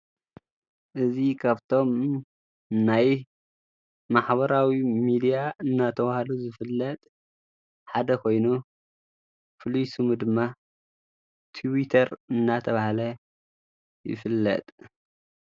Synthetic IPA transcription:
ʔɨzikʰaβt̪ʰo̞m | naj | maħβɐɾawimid̪ijaɨnːat̪ʰɐβahaluzɨfɨlːɐt̪ʼ | ħad̪ɐkʰo̞jnu | fɨlujsɨmud̪ɨmːa | t̪ʰiwit̪ʰɐɾɨnːat̪ʰɐβahalɐ | jɪ̰fɨlːɐ̰t̪ʼ

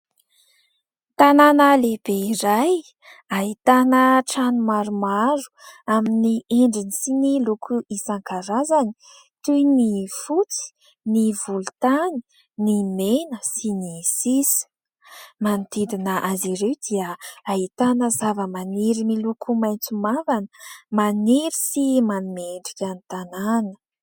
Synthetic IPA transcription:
t̪ananəleb̥eiɾaj | aɦit̪anəʈ͡ʂanumaɾumaɾu̥aminieɳɖ͡ʐinisinilukʰuʔisaŋkaɾazani̥ | t̪ujnifut͡si̥ | nivulut̪ani | nimenəsinisis | mant̪id̪inəʔaziɾewd̪iəaɦit̪anəzavəmaniɾimilukʰumajnt͡sumavanə̥maniɾisimanimeɳɖ͡ʐikʲanit̪ananə̥

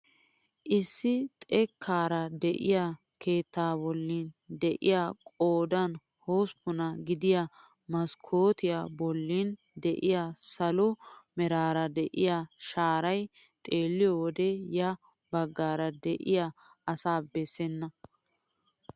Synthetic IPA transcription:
ʔɪsːɪt̪ʼɛkʰːaːɾɐd̪ɛʔɪ̰ja | kʰe̞ːt̪ːaːbɔlːiːnd̪ɛʔɪ̰jaːkʼoːd̪ɐn | hoːspːʊnɐɡɪd̪ɪja | mɐskʰoːt̪ɪjabɔlːiːn | d̪ɛʔɪjasɐlʊmɛɾaːɾɐd̪ɛʔɪjaʃaːɾɐj | t̪ʼe̞ːlːɪjɔwɔd̪ɛjɐ | bɐɡːaːɾɐd̪ɛʔɪ̰ja | ɐsaːbɛsːɛnːɐ

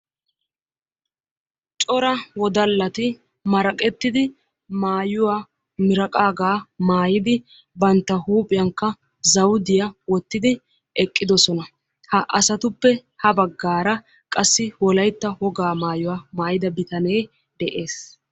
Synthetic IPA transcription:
t͡ʃʼɔɾɐwɔd̪ɐlːɐt̪ɪ | mɐɾɐkʼɛt̪ːɪd̪ɪ | maːjʊwaː | mɪɾɐkʼaːɡaːmaːjɪd̪ɪ | bɐnt̪ːɐhuːpʼɪjɐŋkːɐ | zɐwd̪ɪjɐwɔt̪ːɪd̪ɪ | ɛkʼːɪd̪ɔsɔnɐ | hɐʔɐsɐt̪ʊpːɛhɐbɐɡːaːɾɐ | kʼɐsːɪwɔlɐjt̪ːɐhɔɡaːmaːjʊwaːmaːjɪd̪ɐbɪt̪ɐne̞ː | d̪ɛʔe̞ːs

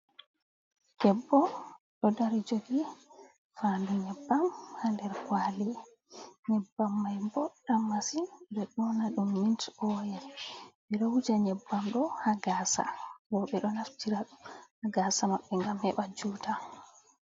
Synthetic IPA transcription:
kɛbːɔ | ɗɔdaɾid͡ʒoɡi | fanduɲɛbːamhandɛɾkwali | ɲɛbːamːajmbɔɗːamːasibɛɗɔnaɗumːintɔjɛmɛɾowud͡ʒaɲɛbːamɗɔhaɡaːsa̰bɔɓɛɗɔnaftiɾaɗumhaɡaːsamaɓːɛŋɡamhɛ̰ɓad͡ʒuːta

